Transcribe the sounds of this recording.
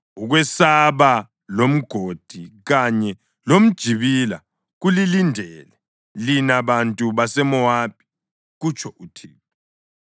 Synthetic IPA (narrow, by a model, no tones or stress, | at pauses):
uɣwɛsaβa | lom̩ɡ̥ʱod̥ʱiɣaɲɛ | lom̩d̥ʒ̥ʱiβila | ɣulilindʱɛlɛ | linaβantʼuβasɛmɔwapʰi̥ | ɣut͡ʃʰʼɔʔutʰiːɔ